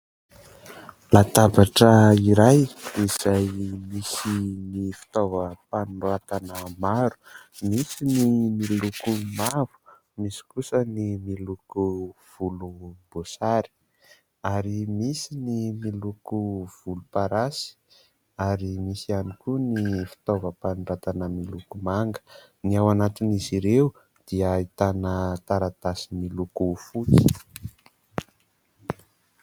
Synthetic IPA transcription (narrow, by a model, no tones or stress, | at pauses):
lat̪abaʈ͡ʂəiɾajiz̥ajmisinifi̥t̪ovəpanuat̪anəmaɾu̥misinimilukumavu̥ | misi̥kusənimilukuv̥ulub̥osaɾi̥ | aɾimisinimilukuv̥ulupaɾasi̥ | aɾimisianikunifi̥t̪ovəpaniɖ͡ʐat̪anəmilukumaŋɡə̥ | niawanat̪iniziɾeu | d̪̥iəit̪anət̪aɾat̪asimilukufut͡si̥